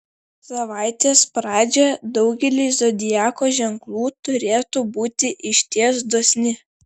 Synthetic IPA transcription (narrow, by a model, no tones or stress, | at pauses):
sɐʋɑɪt̪ʲeːspɾɑːd͡ʒʲɛd̪ɒʊɡʲɛlʲɪzod̪ʲɪjæːkoʒʲɛŋklˠuːt̪ʊɾʲeːt̪uːbuːt̪ʲɪʔɪʃʲt̪ʲiɛsd̪oːsʲnʲɪ